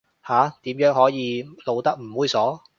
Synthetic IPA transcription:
haː˨˥t̪iː˨˥mjœː˨˥ŋhɔː˨˥jiː˨˧lo˨˧wt̪ɐ˥k̚m̩˨˩wuː˨˧jsɔː˨˥

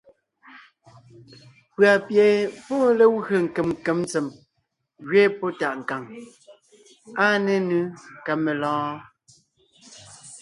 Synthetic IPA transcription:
pɰa˨pjɛ˨pɔ˦le˦wɣə˨ŋ̩˨ke˨mŋ˨ke˨˦m˦t͡se˨m | ɣɥeː˦pɔ˦ta˨ʔŋ̩˨ka˨ŋ | a˦ne˨nɨ˦ka˨me˨lɔ̃ː˦

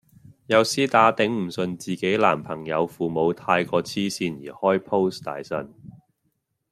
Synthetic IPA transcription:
jɐ˨˧wsiː˥t̪aː˨˥t̪ɪ˨˥ŋm̩˨˩sɵ˨nt͡siː˨ke˨˥jla̰ː˨˩mpʰɐ˨˩ŋjɐ˨˧wfuː˨mo˨˧wt̪ʰaː˧jkɔː˧t͡sʰiː˥siː˧njḭː˨˩hɔː˥jpʰo˥wst̪a̰ː˨˧˥jsɐ˨n

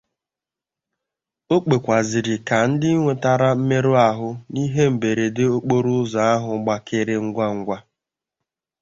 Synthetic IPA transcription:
o˦k͡pe˨kʷa˨zɪ˨ɾɪ˨ka˨n̩˦dɪ˦i˦ŋʷe˨ta˨ɾa˦m̩˦me˦ɾu˦a˨ɦʊ˦ni˦ɦe˦m̩˨be˨ɾe˨de˦o˦k͡po˦ɾʊ˦za˨a˦ɦʊ˨˦ɡ͡ba˦kɪ˦ɾɪ˦ŋ̩˦ɡʷa˦ŋ̩˦ɡʷa˦

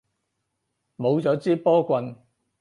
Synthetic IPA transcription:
mo˨˧wt͡sɔː˨˥t͡siː˥pɔː˥kʷɐ˧n

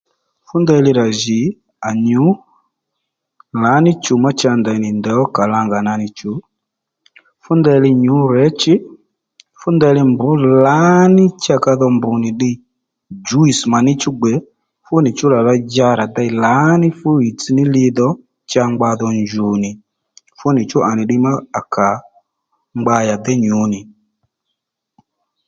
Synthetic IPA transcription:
fu˦ndɛ˦˧li˦ɾa˨ʒi˨ | a˨ɲu˨˦ | la˨˦ni˦t͡ʃu˨ma˦t͡ʃa˧nda˨i˨ni˨ndɛ˨ɔ˦ka˨la˧ŋɡa˨na˨ni˨t͡ʃu˨˦ | fu˦ndɛ˧li˧ɲu˨˦ɾɛ˦t͡ʃi˦ | fu˦ndɛ˧˦li˦mbu˦la˦ni˦t͡ʃa˦˧ka˧ðɔ˧mbu˨ni˨ɗi˦ | d͡ʒu˦i˨sma˨ni˦t͡ʃu˦ɡ͡bɛ˨˦ | fu˦ni˨t͡ʃu˦la˨la˧d͡ʒa˦ɾa˨da˦i˨la˨˦ni˦fu˦i˨t͡si˦ni˦li˧ðɔ˦ | t͡ʃa˧ŋɡ͡ba˧ðɔ˧ɲd͡ʒu˨ni˨ | fu˦ni˨t͡ʃu˦ʔa˨ni˨ɗi˦ma˦a˨kʰa˨ | ŋ͡mɡ͡ba˧ja˨dɛ˦ɲu˨˦ni˨

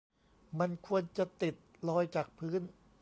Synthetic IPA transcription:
ma˧nkʰu˧ənt͡ɕa˨˩t̪i˨˩t̪̚lɔː˧jt͡ɕaː˨˩k̚pʰɯː˦˥n

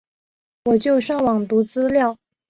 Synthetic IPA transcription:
wɔ˨˩t͡ɕjo˥˧ʊʂɑ˥˩ŋwɑ˨˩ŋt̪u˧˥t͡sɹ̩˥ljɑ˥˩ʊ

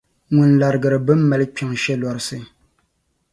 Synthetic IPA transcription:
ŋu˨nla˨ɾɨ˨ɡɨ˨ɾɨ˨bɨ˦m̩˦ma˨lɨ˦k͡pʲa˨ŋʃɛ˦lɔ˨ɾɨ˨sɨ˦

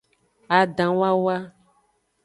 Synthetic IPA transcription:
a˨ɖã˨wa˦wa˦

